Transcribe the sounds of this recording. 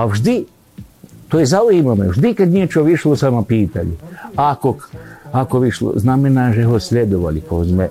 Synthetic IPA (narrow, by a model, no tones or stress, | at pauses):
aʒd̪i | t̪ojezauimameʒd̪ikad̪nijet͡ʃoʋiʃlˠosamapiːt̪aʎuakokakoʋiʃlo̰znamenaʒeɦosʎʲed̪oʋa̰likozme